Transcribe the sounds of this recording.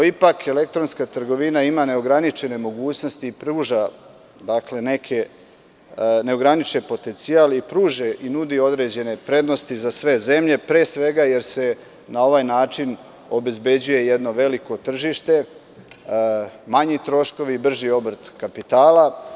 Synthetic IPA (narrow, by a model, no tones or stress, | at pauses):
noipakʰe̞le̞k̚t̪ɾonskat̪rɡo̞ʋinaimane̞o̞ɡɾanit͡ʃe̞ne̞mo̞ɡuːt͡ɕno̞st̪iːpɾuːʒa | d̪akle̞ne̞kʰe | ne̞o̞ɡɾanit͡ʃepo̞t̪ent̪sialipɾuːʒeʔinud̪io̞d̪ɾe̞d͡ʑe̞ne̞pɾe̞d̪no̞st̪izasʋe̞ze̞mʎe̞pɾe̞ːsʋe̞ɡaje̞ɾse̞ | nao̞ʋajnaːt͡ʃin | o̞be̞zbe̞d͡ʑuje̞jed̪no̞ʋe̞liko̞t̪r̩ʒiʃt̪e̞ | maɲit̪ɾo̞ʃko̞ʋiibr̩ʒio̞br̩t̪kapit̪aːla